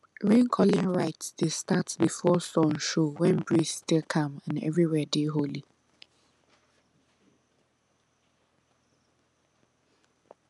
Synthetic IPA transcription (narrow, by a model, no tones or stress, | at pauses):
ɹẽnkʰɔlĩŋɹaɪtsdestatsbifɔsɔ̃nʃowɛ̃nbɹisstilˠkʰʌ̃mãnɛ̰vɹiwɛdeɦoli